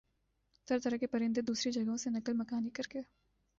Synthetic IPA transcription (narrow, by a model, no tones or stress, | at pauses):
t̪ɐɾt̪ɐɾəkepɐɾẽːnd̪ed̪uːsɾid͡ʒɐɡɦõsenɐkəlmɐkaːnikɐɾke